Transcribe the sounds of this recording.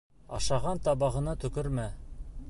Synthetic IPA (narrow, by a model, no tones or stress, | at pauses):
ɑ̰ʃɑʁɑnt̪ɑbɑʁɤ̆nɑt̪ɵ̆kɵɾmæ